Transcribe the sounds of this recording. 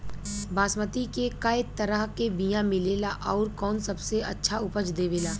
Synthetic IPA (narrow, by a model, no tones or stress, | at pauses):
baːsmət̪ikekaːet̪ːɐɾəɦkebijãmɪleːlaʔɔːɾkɔːnsɐbseɐtːʃʰaʊpət͡ʃd̪eːʋeːlaː